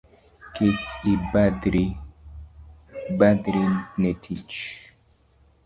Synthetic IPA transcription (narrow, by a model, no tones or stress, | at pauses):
kikibadɾi | bad̪ɾinetʰit͡ʃ